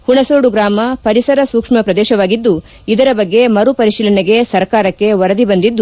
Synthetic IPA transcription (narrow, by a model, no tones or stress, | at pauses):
huɳɐsoːɽuɡɾaːmɐpɐɾisɐɾɐsuːkʂmɐpɾɐd̪ɛːʃɐʋaːɡid̪ːu | id̪ɐɾɐbɐɡːe̞mɐɾupɐɾiʃiːlɐneɡe̞sɐɾkaːɾɐkːe̞ʋɐɾɐd̪ibɐnd̪id̪ːu